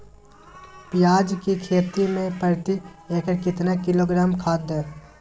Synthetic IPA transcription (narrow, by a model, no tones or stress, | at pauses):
pɪjaːd͡ʒkikʰeːt̪imẽpəɾt̪ieːkəɾkɪt̪nekɪloːɡɾaːmkʰaːd̪ẽː